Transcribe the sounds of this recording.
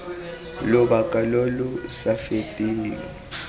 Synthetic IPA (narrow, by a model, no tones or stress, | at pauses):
lʊbakʼalolʊsafetʼiːŋi